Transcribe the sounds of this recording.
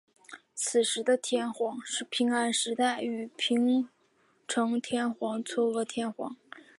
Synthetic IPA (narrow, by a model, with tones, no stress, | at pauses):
t͡sʰɹ̩˨˩ʂɻ̩˧˥d̪ə˧t̪ʰjɛ˥nxwɑ˧˥ŋʂɻ̩˥˩pʰi˧˥ŋa˥nʂɻ̩˧˥t̪a˥˩ɪy˨˩pʰi˧˥ŋ | ʈ͡ʂʰɤ˧˥ŋt̪ʰjɛ˥nxwɑ˧˥ŋt͡sʰwɔ˥˩wɔ˧˥t̪ʰjɛ˥nxwɑ̰˧˥ŋ